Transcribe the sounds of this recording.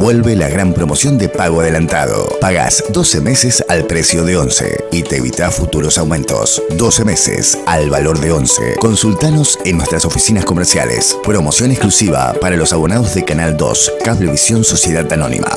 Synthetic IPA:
bwe̞lβelaɣɾampɾo̞mosjo̞nd̪epaɣoaðelant̪a̰ðo̰paɣa̰sd̪osemesesalpɾesjo̞ðeonsḛit̪eβḭt̪asfut̪uɾo̞sawmẽnt̪o̞̰sd̪osemesḛsalβalo̞ɾðeonsḛko̞nsult̪anosenːwest̪ɾaso̞fisinasko̞meɾsja̰lḛspɾo̞mosjo̞neklusiβa̰paɾalo̞saβo̞naðozðekanald̪o̰skaβleβisjo̞nso̞sjeðat̪ano̞̰nḭma̰

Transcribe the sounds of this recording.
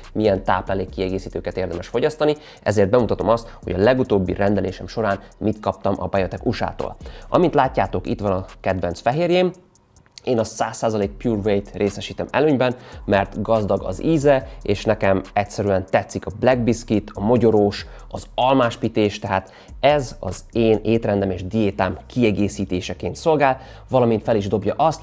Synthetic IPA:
mijɛnt̪a̰ːplaːleːkːiɛɡeːsiːt̪øːkɛt̪eːrd̪ɛmɛʃfo̞ɟɒst̪ɒni | ɛ̰zeːrd̪̚bɛmut̪ɒt̪o̞mɒst̪hoɟɒlɛɡut̪oːbːḭrʔɛnd̪ɛleːʃɛmʃo̞ɾaːnmit̪kɒp̚t̪ɒmʔɒ̰bɛjøt̪ɛkuʃa̰ːt̪o̰ːlʔɒ̰mint̪laːcːaːt̪o̞kḭt̪ʋɒnɒkɛd̪ʋɛnsfɛɦeːrjeːm | eːnɒsaːsːaːzɒleːk̚pjuːrvejt̪rʔeːsɛʃiːt̪ɛmɛ̰løːɲbɛnmɛrt̪ɡɒzd̪ɒɡɒ̰ziːzɛeːʃnɛkɛmɛcʲsɛɾyɛnt̪ɛt̪sːikɒblɛɡ̚biskit̪ʰɒmo̞ɟo̞ɾoːʃ | ɒzɒlmaːʃpit̪eːʃt̪ɛɦaːt̪ | ɛzɒ̰zeːneːt̪rɛnd̪ɛmeːʒd̪ijeːt̪aːmkʰiɛɡeːsiːt̪eːʃɛkeːnt̪so̞lɡaːl | vɒlɒmint̪fɛliʒd̪o̞bjɒʔɒst̪

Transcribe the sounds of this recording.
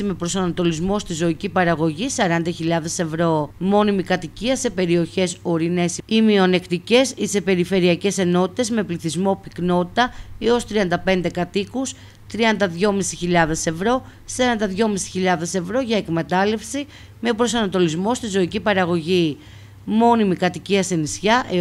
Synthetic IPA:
ime̞pɾo̞sɐnɐt̪o̞lizmo̞st̪izo̞icipɐɾɐɣo̞ʝisɐɾɐnd̪ɐçiʎɐðe̞se̞vɾo̞mo̞nimikɐt̪iciɐse̞pe̞ɾio̞çe̞so̞ɾine̞simio̞ne̞kt̪ice̞sise̞pe̞ɾife̞ɾiɐce̞se̞no̞t̪i̥t̪e̞zme̞pliθizmo̞pikno̞t̪i̥t̪ɐio̞st̪ɾiɐnd̪ɐpe̞nd̪e̞kɐt̪ikus | t̪ɾiɐnd̪ɐðʝo̞misi̥çiʎɐðe̞se̞vɾo̞ | sɐɾɐnd̪ɐðʝo̞misi̥çiʎɐðe̞se̞vɾo̞ʝɐe̞kme̞t̪ɐle̞fsi | me̞pɾo̞sɐnɐt̪o̞lizmo̞st̪izo̞icipɐɾɐɣo̞ʝi | mo̞nimikɐt̪iciɐsenisçɐʔe

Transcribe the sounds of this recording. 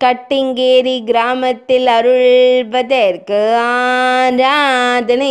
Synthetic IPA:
kɐʈːɪŋɡeːɾiɡɪɾaːmɐt̪ːɪlɐɾɯɭbɐðɐɪɾɯkːɯaɾad̪ɐnɯ

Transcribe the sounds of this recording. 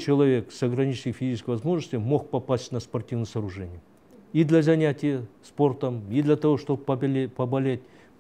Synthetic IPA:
t͡ɕɪlˠɐvʲe̞ksɐɡɾɐnʲit͡ɕnəjfʲizʲit͡ʃɪskəjvɐzmo̞ʐnəst̪ʲɪmo̞xpɐpasʲtʲnəspɐrtʲivnjəsɐːɾʊʐɛnʲɪj | id̪lʲɐzɐnʲætʲɪjəspo̞rt̪əmid̪lʲɐt̪ɐvo̞ʂt̪obpɐbɐlʲetʲ

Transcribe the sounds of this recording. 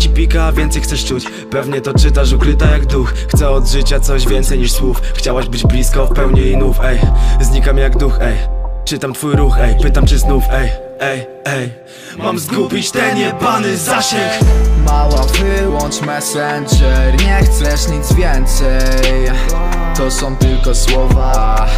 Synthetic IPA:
t͡ɕipʲikavʲjɛnt̪sɛjxt̪sɛʂt͡ʂut͡ɕ | pɛvɲɛt̪ɔt͡ʂɘt̪aʂ̬ukɾɘt̪ajaɡd̪uxxt̪sɛɔd̪ʐɘt͡ɕat̪sɔʑvʲjɛnt̪sɛjɲiʂswufxt͡ɕawaʑbɘd͡ʑblʲiskafpɛwɲinufɛjzɲikamʲjaɡd̪uxɛjt͡ʂɘt̪amt̪fujɾuxɛjpɘt̪amt͡ʂɘznufɛj | ɛj | ɛj | mamzɡupʲit͡ɕt̪ɛnɛpanɘzaɕɛmawavɘwɔnt͡ʂmɛsɛnd͡ʐɛɾɲɛxt̪sɛʂɲid̪zvʲjɛnt̪sɛj | t̪ɔsɔ̃w̃t̪ɘlkɔswɔva

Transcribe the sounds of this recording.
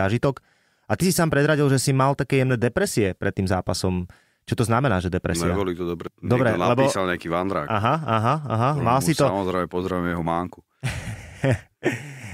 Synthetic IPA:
aʒit̪ɔk | at̪isisaːmpɾɛd̪ɾaɟilʒɛsimalt̪akɛːjɛmnɛːd̪ɛpɾɛsiɛpɾɛt̪ːiːmza̰ːpasɔm | t͡ʃɔt̪ɔznamɛnaːʒɛd̪ɛpɾɛ̰siaɔliːt̪ɔd̪ɛpɾɛd̪ɔbɾɛnalɛbɔalɲɛakiːʋand̪ɾa̰ːkʔaɦaaɦaa̰ɦamalsit̪ɔamɔzɾɛɪmɛpɔzɾaʋmjɛɦɔmaːŋku̥

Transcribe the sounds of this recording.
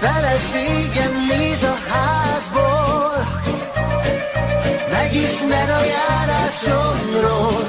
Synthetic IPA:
fɛlɛʃeːɡɛmːeːzɒhaːzbol | mɛɡiʃmɛɾɒjaːɾaːʃoŋɾoːl

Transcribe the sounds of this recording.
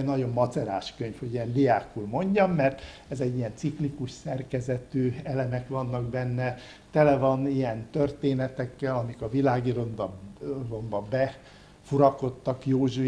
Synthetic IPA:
nɒɟo̞mːɒt̪sɛɾa̰ːʃkøɲfhoɟiɛnd̪ijaːkulmo̞ɲɟɒmːɛrt̪ | ɛzɛɟːijɛnt̪siklikuʃsɛrkɛzɛt̪øːɛlɛmɛkʋɒnːɒɡbɛnːɛ | t̪ɛlɛvɒnijɛnt̪ørt̪eːnɛt̪ɛkːɛlɒmikɒvilaːɡiɾonbɒrombɒbɛ | fuɾɒko̞t̪ːɒkjoːʒu

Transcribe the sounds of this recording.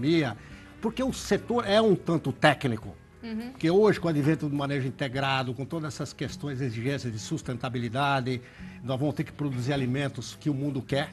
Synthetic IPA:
miɐ | poɾkeʊset̪oɾɛũt̪ɐ̃nt̪ʊt̪ɛknikʊ̰ | pɾkeoʒɪkõad̪ivẽnt̪ɐd̪ɪmɐ̃neʒʊĩt̪eɡɾad̪ʊkõt̪od̪ɐzɛsɐskest̪õj̃zeziʒẽsjɐzd̪ɪsust̪ẽnt̪abilid̪ad̪ɪ | nɔzvɐ̃mʊst̪eɾkɪ̥pɾod̪uziɾalimẽnt̪ʊskɪʊmũnd̪ʊkɛɾ

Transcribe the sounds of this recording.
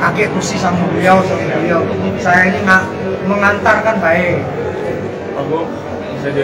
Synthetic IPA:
akekusisamulujawsamuulujawsajainiŋaʔ | məŋant̪arkanbae | aɡo

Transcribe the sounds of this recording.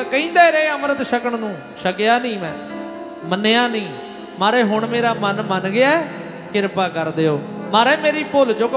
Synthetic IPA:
kəĩːnd̪ɛːɾeeːəmɾət̪ʃəkəɳnũː | ʃəkɪjaːnĩːmɛ̃ː | mənːeːaːnĩː | maːɾeːɦʊɳmeːɾaːmənmənɡɪaːɛː | kɪɾpaːkəɾd̪eːoː | maːɾeːmeːɾiːpold͡ʒoːk

